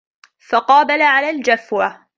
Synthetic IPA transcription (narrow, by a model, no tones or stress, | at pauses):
fɑqɑːbalaʕalaːld͡ʒafwa